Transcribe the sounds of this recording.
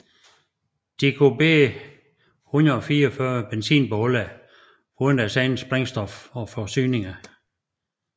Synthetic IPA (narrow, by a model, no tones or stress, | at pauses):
d̥ikʰub̥e̝̰ː | hunɐðˠɒfiːɐɒfɶɐb̥ensḭːnb̥ɔlæ | uðˠn̩æsænn̩sb̥ʁeŋ̰sd̥ɒ̽fɒ̽fɒsy̰ːne̝ŋɐ